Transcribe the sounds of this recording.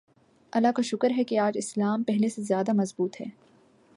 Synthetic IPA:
ɐlːakaʃʊkəɾɦɛkeaːd͡ʒɪslaːmpɛɦlesezjaːd̪amɐzbuːt̪ɦɛː

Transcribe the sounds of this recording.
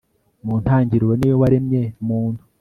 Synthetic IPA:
muːn̥aːɲɟiɾwenejoβaɾemɲemuːndu

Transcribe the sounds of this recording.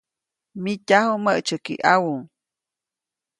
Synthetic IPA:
micahuməʔt͡ʃəkḭʔawuŋ

